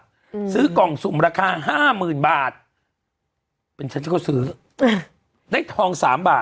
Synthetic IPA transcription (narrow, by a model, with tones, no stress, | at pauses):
sɯː˦˥kɔː˨˩ŋsu˨˩˦mɾaː˧kʰaː˧ɦaː˥˩mɯː˨˩nbaː˨˩t̪̚ | pe˧nt͡ɕʰa˦˥nt͡ɕʰkʰːsɯː˦˥ | da˥˩jt̪ʰɔː˧ŋsaː˩˦mbaː˨˩